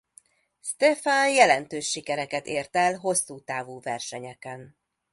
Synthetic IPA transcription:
st̪efanjɛlɛnt̪øːʃːikɛɾɛkɛt̪eːrt̪ɛlɦo̞sːuːt̪aːvuːvɛrʃɛɲɛkɛn

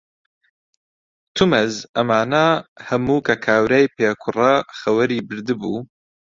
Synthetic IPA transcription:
t̪ʰumɛzɐmaːnahɐmuːkʰɐkʰaːwɾajpʰeːkʰʊraxɐwɐɾiːbɨɾd̪ɨbuː

